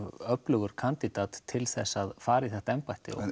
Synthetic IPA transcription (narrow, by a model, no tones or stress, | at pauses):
vœplʏɣʏɾ̥kʰant̪it̪at̪ʰːɪlθɛsːaðfaːɾɪθɛht̪aɛmpajt̪ɪ̰ɔ̰